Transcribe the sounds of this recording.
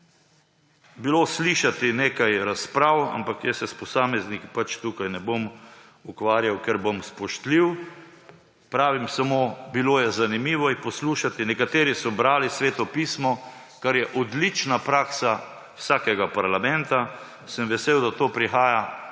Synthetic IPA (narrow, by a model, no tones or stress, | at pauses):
bilosliʃat̪ineːkajɾaspɾawa̰mpakjɛsɛspɔsaːmɛznikpat͡ʃt̪ukajnɛbom | ukʋaːɾjawkɛɾbomspɔʃt̪liw | pɾaːʋimsamoːbiloːjɛzanimiːʋɔixpɔsluːʃat̪inɛkat̪eːɾisɔbɾaːlisʋeːt̪ɔpiːsmɔ | kaɾjɛʔɔd̪lit͡ʃnapɾaːksa | wsaːkɛɡapaɾlamɛnt̪a | səmʋɛseːwd̪at̪oːpɾixaːja